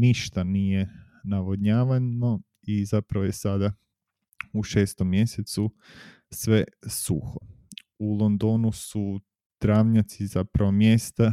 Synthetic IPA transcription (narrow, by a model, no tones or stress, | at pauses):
niʃt̪anije̞ | naʋodɲaːʋano | izapɾaʋojesad̪a | uʃe̞ːst̪omːje̞set̪su | sʋe̞sṵxo | ulˠond̪onusu | d̪̥ɾaːʋɲat̪sizapɾaʋomje̞st̪a